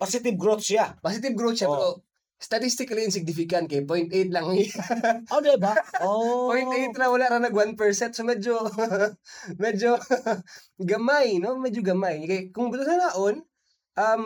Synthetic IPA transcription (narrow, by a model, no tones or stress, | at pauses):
pasɪt̪ɪb̚ɡɾot̪sapasɪt̪ɪb̚ɡɾot̪ʃaɛo | st̪ɐt̪ist̪ɪkɐliʔɪns̬ɪɡ̚nɪfɪkɐn̚kɐjpojnt̪ʔejt̪̚lɐŋ | oɡɛbaopojnt̪ʔejt̪̚ɾɐŋwɐlaʔɾanɐɡwanpɛɹsɛnt̪̚somɛd͡ʒo | mɛd͡ʒo | ɡɐmajnomɛd͡ʒoɡɐmajkɐjkʊŋbʊlʊnɐnaʔon | ʔɐm